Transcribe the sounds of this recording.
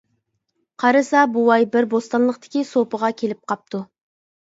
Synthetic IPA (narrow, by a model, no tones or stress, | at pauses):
qʰɑɾɨsɑbuwɑjbɪɾbost̪ɑnlˠəqt̪ɪ̥kʲisopəʁɑkʲʰelɪp̚qʰɑp̚t̪ʰu